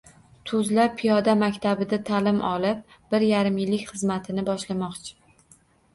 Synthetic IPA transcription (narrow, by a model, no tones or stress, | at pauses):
t̪ʰʊzlapʰijɒd̪amakʲt̪ʰabɪd̪at̪ʰalɪmʔɒlˠɪp̚ | b̥ɪɾjaɾɪmɪlːɪkʲχɨzmat̪ʰɪnɪbɒʃlamɒqt͡ʃʰɪ̥